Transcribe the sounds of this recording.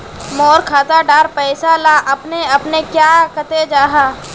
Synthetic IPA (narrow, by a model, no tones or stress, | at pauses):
mɔːɾkʰaːt̪aɖaːɾpɛːsalaʔɐpneɐpnekjaːkət̪ed͡ʒaːɦaː